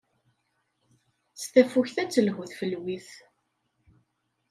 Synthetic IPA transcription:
st̪æfuçθæt͡sːəlhuθfəlwiθ

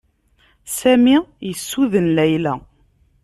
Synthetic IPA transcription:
sæmijəsːuðənlæjlæ̰

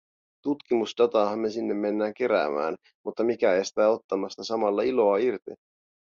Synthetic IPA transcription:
t̪ut̪kimusdɑt̪ɑːɦɑmme̞sinːemːe̞nːæːŋk̟e̞ɾæ̰ːmæ̰ːn | mut̪ːɑmikæeest̪æːo̞t̪ːɑmɑst̪ɑsɑmɑlːɑilo̞ɑirt̪ḭ

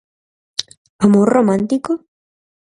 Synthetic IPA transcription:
amoɾromãnt̪iko

